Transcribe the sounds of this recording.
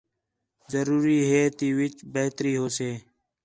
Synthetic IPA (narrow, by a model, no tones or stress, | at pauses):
zəɾuːɾiːɦeːt̪iːʋɪt͡ʃbeːt̪ɾiːɦoːseː